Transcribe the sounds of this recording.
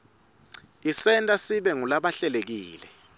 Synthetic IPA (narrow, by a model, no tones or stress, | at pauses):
isɛntʼasiɓɛŋulaɓaɬɛlek̬ḭːlɛ